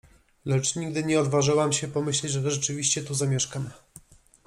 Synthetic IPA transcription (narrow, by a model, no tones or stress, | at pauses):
lɛt͡ʂɲiɡ̚d̪ɘɲɛɔd̪vaʐɘwamɕɛpɔmɘɕlɛd͡ʑʐɛʐɛt͡ʂɘvʲiɕt͡ɕɛt̪uzamʲjɛʂkam